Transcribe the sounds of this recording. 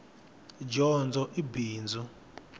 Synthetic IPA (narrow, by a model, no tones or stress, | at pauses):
d͡ʒɔnd͡zʱɔʔibiːnd͡zʱu